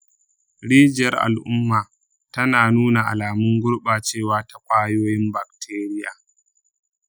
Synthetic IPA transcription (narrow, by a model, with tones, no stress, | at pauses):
ɽiː˦d͡ʒjɐ˦rʔa̰˨lʔʊ˦mːaː˨ | tɐ˦naː˨nuː˦na˨ʔa˨laː˨mʊ˦ŋɡʷʊ˦ɽɓaː˨t͡ʃeː˦˨waː˦ta˨kʷʼaː˦joː˦jɪ˦mba˨k̚tʰeː˦ɾɪ˦ja̰ː˨